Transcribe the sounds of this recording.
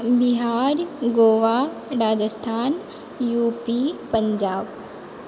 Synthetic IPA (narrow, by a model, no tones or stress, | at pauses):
biɦaːɾɡoːʋa | ɾaːd͡ʑəst̪ʰaːn | juːpipɐ̃ɲd͡ʑaːb